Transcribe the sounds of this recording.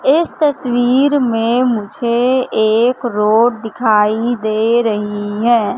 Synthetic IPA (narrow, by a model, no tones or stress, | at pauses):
ɪst̪əswiːɾmẽmʊd͡ʒʱeeːkɾoːʈd̪ɪkʰaːid̪eɾəɦiɦɛ̃ː